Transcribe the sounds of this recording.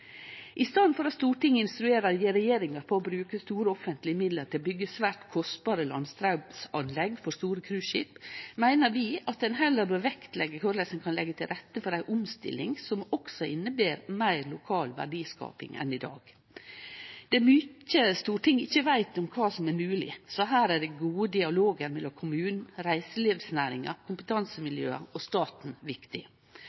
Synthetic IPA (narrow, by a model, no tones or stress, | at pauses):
ʔɪst̪ɑːd̪nfɔɾɑt̪st̪uːʈɪŋːɪnst̪ɾʉeːɾəɾjiɾɛjeːɾɪŋɑɾpʰɔːbɾʉːkəst̪uːɾəɔfənt̪lɪɪmɪd̪ləɾt̪ɪlbʏɡːəsʋæːʈkʰɔst̪bɑːɾəlɑ̰nst̪ʰɾɑʊbsɑnlɛɡfɔɾst̪uːɾəkʰɾʉːʃɪpmæɪnəɾʋɪːɑt̪̚d̪ɛnɦɛləɾbøːɾʋɛkt̪lɛɡːəkʰʊɾlɛsənkʰɑnlɛɡːət̪ʰɪlɾɛt̪ːəfɔɾæɪʔʊmst̪ɪ̰lɪ̰ŋsɔmɔksɔɪnːəbeːɾmæɪɾlʊkʰɑːlʋæ̰ɖiːskɑ̰ːpɪ̰ŋɛ̰nɪd̪ɑ̰ːɡ̥ | d̪̥ɛmʏcːəst̪uːʈʰɪŋːɪçːəʋæɪt̪ɔmkʰɑːsɔmæɾmʉːlɪ̰sɔɦæːɾæɖɛɡuːəd̪ɪɑloːɡəɾmɛlːɔmkʰʊmʉːnn̩ɾæɪsəleːʋsnæːɾɪ̰ŋɑ̰ɾkʰʊmpət̪ʰɑnsəmɪljø̰ːɑ̰ɔst̪ɑːt̪n̩ʋɪkt̪ɪ